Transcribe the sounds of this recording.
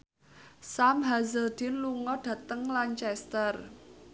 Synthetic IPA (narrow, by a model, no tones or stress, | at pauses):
samɦazəld̪̥ɪnluŋɔɖ̥ä̤t̪əŋlaɲt͡ʃɛst̪ər